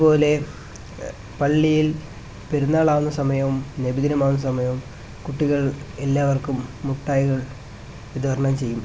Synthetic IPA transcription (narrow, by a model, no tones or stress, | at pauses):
po̞ːle̞ | pɐɭːijil | pe̞ɾunːaːɭaːʋunːɐsɐmɐjɐmnebid̪inɐmaːʋunːɐsɐmɐjɐm | kuʈːiɣɐɭelːaːʋɐrkumːuʈːaːjɣɐɭ | ʋid̪ʱʋɐɾɐɳɐmt͡ɕe̞jːum